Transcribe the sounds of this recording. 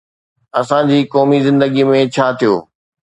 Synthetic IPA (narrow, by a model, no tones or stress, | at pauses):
ɐsãd͡ʑiːkɔːmizɪ̃nd̪əɡimẽt͡ɕʰaːt̪ʰijoː